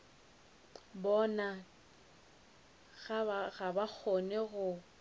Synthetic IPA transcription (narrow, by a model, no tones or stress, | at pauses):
bɔna | ɣaɣabak͡xʰonɛɣʊ